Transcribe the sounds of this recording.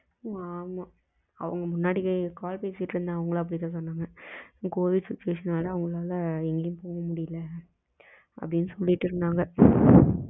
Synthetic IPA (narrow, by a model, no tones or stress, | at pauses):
aːma | ɐ̰ʋɐ̰ŋɡɐmʊnːaːɽɪkːɯkaːlpeːsɪʈːɯɾnd̪ãːɐʋɐŋɡɐɭːɐp̬ːɐɽɪt̪ːãːs̬ɔnːaːŋɡɐkoːʋɪɖsɪt͡ʃːʊʋeːʂɐnaːlaːɐʋɐŋɡɐɭaːlɐɛŋɡɐjʊ̃poːŋɡɐmʊɽɪjɪlːɐ | ʔɐ̰pːɐɽɪnːɯsɔlːɪʈːɯɾɯnd̪aːŋɡɐ